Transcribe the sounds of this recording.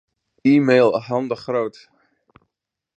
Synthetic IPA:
iːmejlˠəɦɑndəχrowt

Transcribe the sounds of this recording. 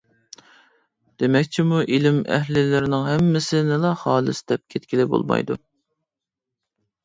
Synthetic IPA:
d̪̥emɛkʲt͡ʃʰimuʔilɪmɛ̰ɦlɪlɪɾɪnɪŋɦɛmːɪsɪnɪlˠɑχɑːlˠɨsɪd̪ɛp̚kʲʰet̪kʲʰilɪbo̰lˠmɑ̰jd̪ṵ

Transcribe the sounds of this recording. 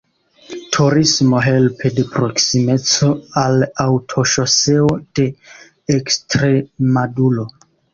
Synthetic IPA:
tʰuɾismo̞ɦe̞lpʰe̞de̞pɾo̞ksime̞t͡so̞alawtʰo̞ʃo̞seod̥e̞ː | kstɾe̞madulo̞

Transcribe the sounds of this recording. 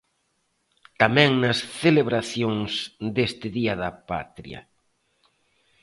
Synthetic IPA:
t̪amɛ̃ŋnɐsθeleβɾaθjoŋsd̪est̪ɪðiɐðɐpa̰t̪ɾj̰ɐ̰

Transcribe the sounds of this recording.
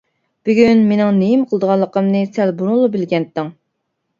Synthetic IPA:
b̥yɡʲynmenɪŋnejimqʰəlˠd̪əʁɑnlˠːəqəmnɨsælbuɾuŋlˠubɪlɡʲɛnt̪ːɨŋ

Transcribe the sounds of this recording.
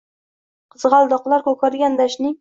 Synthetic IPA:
qʰɨzʁɑlˠd̪ɒqlˠaɾkɵkʰɒɾɡʲand̪aʃnɪŋ

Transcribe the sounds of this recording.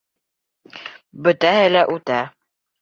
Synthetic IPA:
bɵ̆t̪æɦɘlæʔʉt̪æ

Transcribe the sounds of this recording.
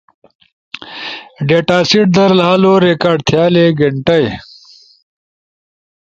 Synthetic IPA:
ɖeːʈaːsiʈ̚d̪ɐɾlaːloɾekaːɖt̪ʰjaːleɡɐɳʈɐj

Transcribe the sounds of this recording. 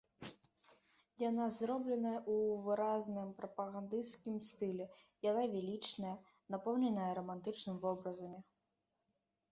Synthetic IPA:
janazɾɔblʲɛnɐjɐʔuvɨɾaznɨmpɾɐpɐɣand̪ɨskʲimst̪ɨlʲɛjanavʲɛlʲit͡ʂnɐjɐ | napɔwnʲɛnɐjɐɾɐmant̪ɨt͡ʂnɨmvɔbɾɐzɐmʲi

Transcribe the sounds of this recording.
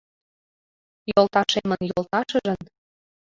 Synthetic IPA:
jolˠt̪ɑʃemə̆njolˠt̪ɑʃə̆ʒə̆n

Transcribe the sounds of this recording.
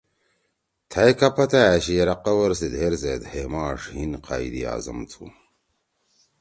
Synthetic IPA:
t̪ʰɐjkɐpʰɐt̪aaɕijɐɾɐqɐwɐɾsid̪ʱeɾzeːd̪heːmaːʂhinqʰa̰id̪ḭa̰ːzɐ̰mt͡sʰṵ

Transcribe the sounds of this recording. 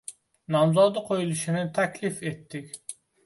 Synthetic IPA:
nɑmzɑd̪əqʰojulˠuʃinɪt̪ʰɛkʲlifet̪ʰːɪkʲ

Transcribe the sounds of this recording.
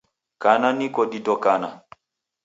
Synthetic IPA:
kananikɔɗidɔkana

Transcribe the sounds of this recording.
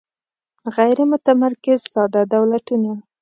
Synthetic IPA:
ɣajɾɪmʊt̪amaɾkɪzsɑd̪ɑd̪awlat̪una

